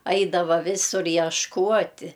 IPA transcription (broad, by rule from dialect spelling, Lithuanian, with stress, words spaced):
ˈɐɪdɐʋɐ ˈʋʲɪsʊr jɛʃˈkuɔtʲɪ